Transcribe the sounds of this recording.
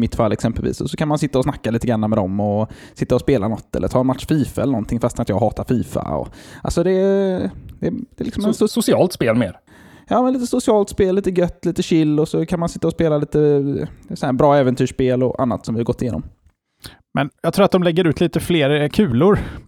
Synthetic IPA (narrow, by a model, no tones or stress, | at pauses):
mɪt̪ːfalːɛksɛmpɛlvḭːsɔsɔkʰanmansɪt̪ːaɔsnakːaliːt̪əɡɾanːamɛd̪ɔ̰mːɔ | sɪt̪ːaɔspeːlanɔt̪ːɛ̰lə̰ɾtʰɑːɛnmat̪ʂfiːfaɛlːəɳɔnt̪ʰɪŋfast̪nat̪jɑɡɦɑːt̪aɾfiːfa̰ɔ̰a̰lsɔd̪ɛ | d̪ɛd̪̥ɛlɪksɔmmɛt̪ssʊsɪɑːlt̪speːlmḛːɾ | jɑːmɛnliːt̪əsʊsɪɑːlt̪speːlːiːt̪əɡœt̪ːliːt̪əɕɪlːɔsɔkʰanmansɪt̪ːaɔspeːlaliːt̪əd̪ɛsɔnhæːɾbɾɑːɛːvɛnt̪ʰyːʂpeːlɔ̰ʔa̰nːa̰t̪sɔmvɪhaɾɡɔt̪ːɪjeːnɔ̰m | mɛnjɑɡt̪ʰɾuːɾat̪d̪ɔmlɛɡːəɾʉ̟ːt̪liːt̪əfleːɾkʰʉ̟ːlʊɾ